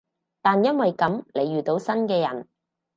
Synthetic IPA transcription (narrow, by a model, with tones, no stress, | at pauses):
t̪aː˨njɐ˥nwɐ˨jkɐ˨mle˨˧jɥyː˨t̪o˨˥wsɐ˥nkɛː˧jɐ̰˨˩n